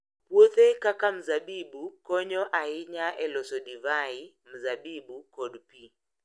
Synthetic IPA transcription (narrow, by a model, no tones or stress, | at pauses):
pwot̪ekakam̩zabibukɔɲɔʔaiɲaʔɛlɔsɔdivai | m̩zabibukɔdpi